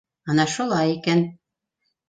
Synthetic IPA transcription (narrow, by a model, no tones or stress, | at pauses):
ɑnɑʃulˠɑjikæn